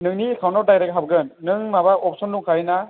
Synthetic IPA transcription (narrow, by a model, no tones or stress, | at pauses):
nɯŋnikʰawnɔɾdajɾɛk̚ɦab̚ɡɯnːɯŋmabaʔɔp̚sɔnduŋkʰajna